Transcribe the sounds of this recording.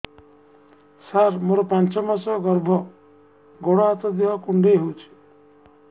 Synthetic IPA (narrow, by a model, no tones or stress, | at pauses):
saɾmoɾɔpant͡ʃɔmasɔɡɔɾbʱɔ | ɡoɽaːt͡s̪ɔd̪iɦɔkuɳɖeɦot͡ʃʰi̥